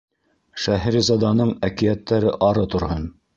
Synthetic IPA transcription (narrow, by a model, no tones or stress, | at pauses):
ʃæɦæɾizɑd̪ɑnɤɴækijæt̪ːæɾɘʔɑɾɤt̪ŏɾhɤn